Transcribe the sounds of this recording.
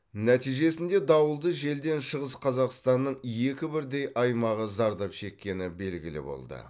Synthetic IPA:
næt̪ijʒe̞sɪnd̪e̞d̪ɑwəlˠd̪əʒe̞ld̪e̞nʃəʁəsqʰɑzɑqst̪ɑnːəɴje̞kʲɪbɪɾd̪e̞jʔɑjmɑʁəzɑɾd̪ɑpʃe̞kʲːe̞nɪbe̞lɡʲɪ̰lɪ̰bo̞̰lˠd̪ə̰

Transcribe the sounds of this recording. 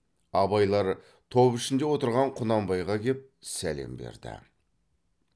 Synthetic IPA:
ɑbɑjlˠɑɾ | t̪ʰopɪʃɪnd̪e̞wo̞t̪əɾʁɑɴqʰʊnɑmbɑjʁɑkʲʰe̞p̚sæle̞̰mbe̞̰ɾd̪ɪ̰

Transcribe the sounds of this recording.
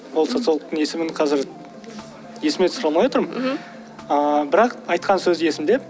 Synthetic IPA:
wolˠso̞t̪sɨalˠəq̚t̪əɴje̞sɪmɪɴqʰɑzɪɾ | je̞sɪmet̪sʊɾɑlˠmɑjwo̞t̪əɾm | əbɪɾɑqɑjt̪̚qʰɑnsɵzje̞sɪmd̪e̞p̚

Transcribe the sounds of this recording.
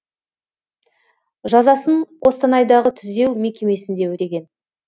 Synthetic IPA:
ʒɑzɑsəɴʰo̞st̪ɑnɑjd̪ɑʁət̪ʰʏzd̪e̞wme̞kʲe̞me̞sɪnd̪e̞wɵɾe̞ɡʲe̞n

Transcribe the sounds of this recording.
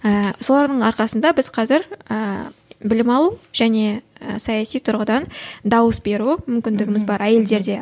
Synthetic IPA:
əso̞lˠɑɾd̪əɴɑɾqɑsənd̪ɑbɪz̥qʰɑzɪɾəbɪlɪmɑlˠuʒ̥æne̞əsɑjɑsijt̪ʰʊɾʁəd̪ɑnd̪ɑwəsbe̞ɾumʏmkʲɪnd̪ɪɡʲɪmɪzbɑɾæje̞ld̪e̞ɾd̪e̞

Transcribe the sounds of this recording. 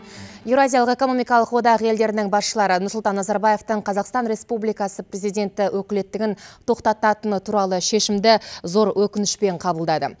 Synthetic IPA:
jevɾoazʲijɑlˠəqe̞ko̞no̞mijkɑlˠəqwo̞d̪ɑʁəje̞ld̪e̞ɾɪnɪŋbɑsʃəlˠɑɾənʊɾsʊlˠt̪ɑnːɑzɑɾbaje̞ft̪əɴqʰɑzɑqst̪ɑnɾe̞spublijkɑsəpɾe̞zijd̪ʲe̞nt̪ɪwʔɵkʲɪle̞t̪ːɪɡʲɪnt̪ʰo̞qt̪ɑt̪ɑt̪ənt̪ʰuɾɑlˠəʃe̞ʃɪmd̪ɪzo̞ɾwʔɵkʲɪnɪʃpe̞ɴqʰɑbəlˠd̪ɑd̪ə̰

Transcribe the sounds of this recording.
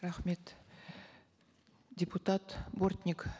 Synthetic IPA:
ɾaχme̞t̪ | dʲeput̪at̪bort̪ʲnʲik

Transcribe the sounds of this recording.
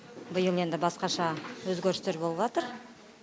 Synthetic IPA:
bəjəlˠe̞nd̪ɪbɑsqɑʃɑwɵzɡʲeɾɪst̪e̞ɾbo̞lˠəbʒɑt̪əɾ

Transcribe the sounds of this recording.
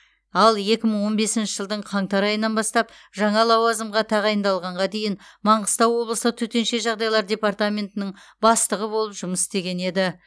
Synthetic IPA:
ɑlˠje̞kʲɪməɴwo̞nbe̞sɪnʃɪʒəlˠd̪əɴqʰɑɴt̪ɑɾɑjənɑnbɑst̪ɑp | ʒɑɴɑlˠɑwɑzəmʁɑt̪ʰɑʁɑjənd̪ɑlˠʁɑɴʁɑd̪e̞jɪnmɑɴʁəst̪ɑwo̞blˠəsət̪ʰɵt̪e̞nʃe̞ʒɑʁd̪ɑjlˠɑɾdʲe̞part̪amʲe̞nt̪ɪnɪŋbɑst̪əʁəbo̞lˠəpʒʊməsɪst̪e̞ɡʲe̞ne̞d̪ɪ

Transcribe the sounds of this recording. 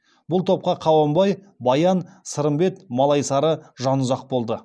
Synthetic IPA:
bʊlˠt̪ʰo̞p̚qɑqʰɑwɑmbɑj | bɑjɑnsəɾəmbe̞t̪mɑlˠɑjsɑɾəʒɑnʊzɑq̚bo̞lˠd̪ə

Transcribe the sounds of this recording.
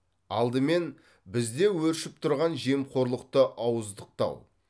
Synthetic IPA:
ɑlˠd̪əme̞n | bɪzd̪e̞wɵɾʃɪp̚t̪ʰʊɾʁɑnʒe̞mqʰo̞ɾlˠəq̚t̪əʔɑwəzd̪əq̚t̪ɑ̰w

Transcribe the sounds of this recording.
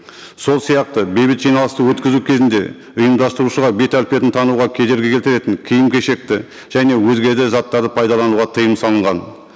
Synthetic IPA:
so̞lˠsijɑq̚t̪əbe̞jbɪt̪ʒijnɑlˠəst̪əwɵt̪kʲɪzukʲʰe̞zɪnd̪e̞̰ | ʊjəmd̪ɑst̪əɾuʃəʁɑbe̞t̪ælpe̞t̪ɪnt̪ʰɑnuʁɑkʲʰe̞d̪e̞ɾɡʲe̞kʲelt̪ɪɾe̞t̪ɪŋkʲʰijɪmkʲʰe̞ʃe̞k̚t̪ɪ | ʒ̥æne̞wɵzɡʲe̞d̪ɪzɑt̪ːɑɾd̪əpʰɑjd̪ɑlˠɑnuwʁɑt̪ʰəjəmsɑlˠəɴʁɑn

